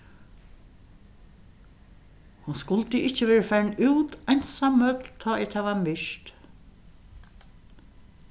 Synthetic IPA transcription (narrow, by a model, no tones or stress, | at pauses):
hʊnskʊlt̪əɪt͡ʃːəʋɛːɹəfɛɹnuːt̪ajnsamːœt̪lt̪ʰɔːɛt̪hɛʋamɪʂt̪